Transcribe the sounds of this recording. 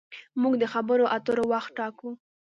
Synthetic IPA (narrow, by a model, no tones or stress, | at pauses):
muɡd̪əxabəɾoʔat̪əɾowaxt̪̚ʈɑku